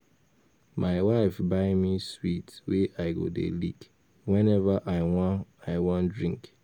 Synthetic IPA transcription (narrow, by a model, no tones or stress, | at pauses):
maɪwaɪfbaɪmiswitweʔaɪɡo̰dḛlḭk | wɛ̃nɛvaʔaɪwɔ̃aɪwɔ̃ndɹĩŋk